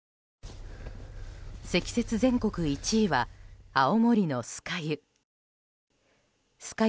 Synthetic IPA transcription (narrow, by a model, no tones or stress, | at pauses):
se̞kʲi̥se̞t͡sɨzẽ̞ŋko̞kɯ̟it͡ɕiːβaao̞mo̞ɾʲino̞sɨ̥kajɯ | sɨ̥ka